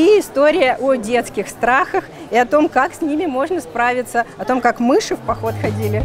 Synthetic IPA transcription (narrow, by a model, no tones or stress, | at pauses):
iɪst̪o̞ɾʲɪjəʔodʲe̞t̪skʲɪxst̪ɾaxəx | iɐt̪o̞mkaksʲnʲimʲɪmo̞ʐnəspɾavʲɪt̪səɐt̪o̞mkakmɨʂɨfpɐxo̞t̪xɐdʲilʲɪ